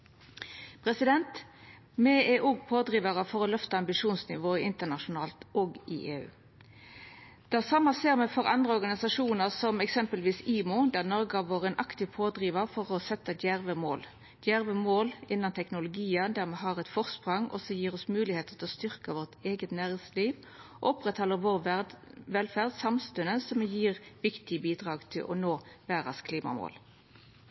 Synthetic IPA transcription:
pʰʁɛsɪd̪ɛnt̪ | mɛɛoːɡpʰoːd̪ʁiːʋəʁəfɔʁɔlœft̪əɑmbɪʂuːnsnɪʋoːɪʔɪnt̪ənɑʂʊnɑːlt̪oːɡɪ̰ʔeːʉ̰ː | d̪̥ɛæsɑmːɑseːʁmɛfoːʁɑ̰nd̪ʁəɔʁɡɑnɪsɑʂuːnəʁsɔmɛksɛmpəlʋiːsiːmʊd̪æʁnɔʁɡɑʋoːʁɛnʔɑkt̪ɪʋpʰoːd̪ʁiːʋəʁfɔʁɔsɛt̪ːəɛt̪jæʁʋəmo̰ːl | jæɾʋəmoːlɪnːɑnt̪ʰɛknʊlʊɡiːənd̪æʁmɛɦɑːʁɛt̪fɔʁspʁɑŋɔ̰sɔjiːʁɔsmʉːlɪheːt̪ət̪ʰɪlɔst̪ʏʁkəʋɔʁt̪eːɡət̪næːʁɪŋsliːʋ | ʔɔɔpʁɛt̪hɑlːəʁʋoːʁʋɛlfæʁd̪sɑmst̪ʉnəsɔmjiːʁʋɪkt̪ɪbiːd̪ʁɑːɡt̪ʰɪlʔɔ̰noːʋæːʁɑ̰skʰliːmɑ̰mo̰ːl

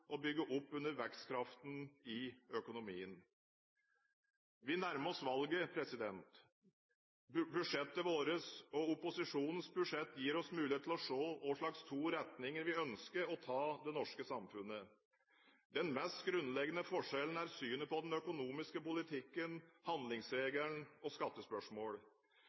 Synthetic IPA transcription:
ʔɔbʏɡːəʔɔpːʉnːəɾʋɛɾkskʰɾɑft̪n̩ɪœkʊnʊmiːən | ʋɪnæɾməɔsʋɑlɡəpʰɾɛsɪd̪ɛnt̪ | bʉʂɛt̪ːəʋoːɾəsɔʊpʊsɪʂuːnən̩sbʉʂɛt̪ːjiːɾɔsmʉːɪeːt̪ʰlɔʂoːʔoːʂɭɑkst̪ʰuːɾɛt̪nɪŋəɾʋɪœnskəɾɔt̪ʰɑːd̪ɛnɔʂkəsɑmfʉnːə | d̪ɛnmɛst̪ɡɾʉnlɛɡənəfɔʂɛlənæɾsyːnəpɔd̪ɛnœkʊnuːmɪskəpʊlɪt̪ʰɪkːənhɑnd̪lɪŋsɾeːɡæɳɔskɑt̪ːəspœʂmoːɽ

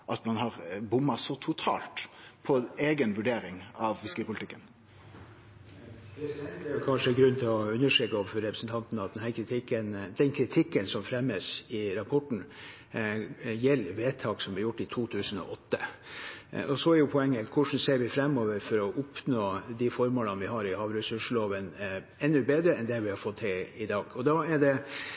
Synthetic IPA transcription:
ʔɑt̪mɑnhɑɾbʊmːɑsɔt̪ʰʊt̪ʰɑ̰ːlt̪pʰɔeːɡənʋʉɖeːɾɪŋɑʋfɪskipʰʊlɪt̪ɪkːən | kʰɾɛsɪd̪ɛnt̪æɾjʊkʰɑnʂəɡɾʉnːt̪ʰɪlɔʉnːəʂeːkəɔʋfɔɾɛpɾəsn̩t̪ʰɑnt̪nəɑt̪̚d̪ɛnɦæːɾkʰɾɪt̪ʰɪkːənd̪ɛnkʰɾɪt̪ʰɪkːənsɔmfɾɛmːəsɪɾɑpʰɔʈɳ̩ | jɛlːʋeːt̪ʰɑːksɔmblɪɾjʊʈːɪt̪ʰuːt̪ʰʉːsənɔ̰ʔɔt̪ːə | ʔɔsɔæɾjʊpʰɔɛŋːəkʰʊʂn̩seːɾʋɪfɾɛmːoːʋəɾfɔɾɔʔʊpnoːd̪ifɔɾmoːlənʋɪɦɑɾɪhɑːʋɾɛsʉʂloːʋən | ɛnːʉbeːd̪ɾəɛnd̪ɛʋɪhɑɾfɔt̪ʰːɪlɪd̪ɑːɡɔd̪ɑɛɖɛ

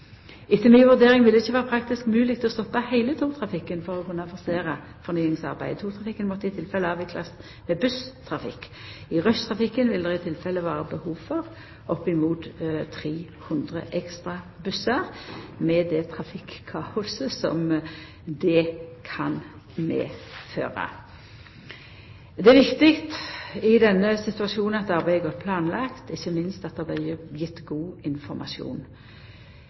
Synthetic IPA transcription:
ɪt̪ʰɛmiːʋʉʁd̪eːʁɪŋʋɪləɪçːəʋæːʁəpʰɾɑkt̪ɪskmʉːlɪɡ̚t̪ʰɪlɔst̪ɔpːəhæɪlət̪ʰuːʁt̪ʰʁɑfɪkːənfɔʁɔkʰʉnːɑfɔseːɾə | fɔʁnyːɪŋsɑ̰ʁbæ̰ɪt̪ʰuːʁt̪ʰʁɑfɪkːənmɔt̪ːəɪt̪ʰɪlfɛlːəɑːʋɪkʰlɑs | mɛbʉst̪ʰʁɑfɪ̰kː | ɪʁœst̪ʰʁɑfɪkːənʋɪld̪ɛɪt̪ʰɪlfɛlːəʋæːʁəbəhuːʋfɔʁ | ɔpːɪmuːt̪t̪ʰːɾeː | hʉnd̪ʁə̰ʔɛkst̪ʁɑbʉsɑʁmɛd̪ɛt̪ʰɾɑfɪkkʰːɑʊsəsɔ̰m | d̪ɛkʰɑn | mḛːfø̰ːɾə̰ | d̪ɛæʋɪkt̪ɪkt̪ɪd̪ɛnːəsɪt̪ʉɑsuːn̩ɑt̪ɑɾbæɪəɡɔt̪̚ːpʰlɑːnlɑkt̪ɪçːəmɪnst̪ɑt̪̚d̪ɛblæɪjɪt̪ːɡuːɪnfɔʁmʔɑsṵːn

